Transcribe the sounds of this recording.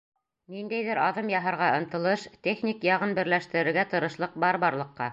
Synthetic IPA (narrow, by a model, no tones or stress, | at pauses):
nind̪æjðɘɾɑðɤmjɑɦɤ̆ɾʁɑɤ̆nt̪ɤ̆lˠɤʃt̪ʲeχnʲikjɑʁɤnbɘ̆ɾlæʃt̪ɘ̆ɾɘ̆ɾɡæt̪ɤ̆ɾɤ̆ʃlˠɤq̚bɑɾβɑɾlˠɤ̆qːɑ